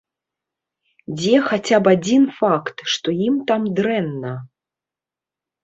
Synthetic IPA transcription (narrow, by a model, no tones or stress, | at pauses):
d͡zʲɛxat͡sʲapad͡zʲinfakt̪ʂt̪ɔjimt̪amd̪ɾɛnːɐ